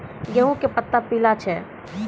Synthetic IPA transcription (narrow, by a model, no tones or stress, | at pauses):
jeɦũkepət̪ːapilat͡ʃʰɛ